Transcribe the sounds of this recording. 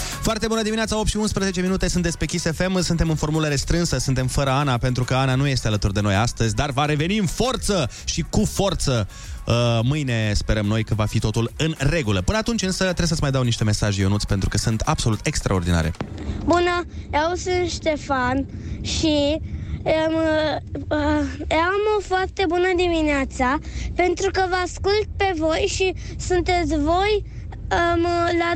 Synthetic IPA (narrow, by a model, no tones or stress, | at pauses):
foart̪e̞bunəd̪iminat̪saopt̪ʃiunspɾəzet͡ʃe̞minut̪e̞sɨnt̪d̪espɾekʲisefe̞msɨnt̪e̞mɨnfo̞rmuləɾe̞st̪ɾɨnsəsɨnt̪e̞mfəɾəanape̞nt̪ɾukəananuje̞st̪e̞alət̪urd̪e̞no̞jast̪əzʲd̪arvaɾe̞ve̞niɨnfo̞rt̪sə | ʃikufo̞rt̪sə | əmɨjne̞spe̞ɾəmno̞jkəvafit̪o̞t̪ulɨnre̞ɡuləpɨnəat̪unt͡ʃʲɨnsət̪ɾesət̪smajd̪awniʃt̪e̞me̞saʒjonut̪sʲpe̞nt̪ɾukəsɨnt̪ab̥so̞lut̪e̞kst̪ɾʔao̞rd̪ina̰ɾe̞̰bunəausɨnʃt̪e̞fanʃi | əm | amo̞foart̪e̞bunəd̪imineat̪sape̞nt̪ɾukəvəaskult̪̚pe̞vo̞jʃi | sunt̪e̞t̪sʲvo̞j | əmla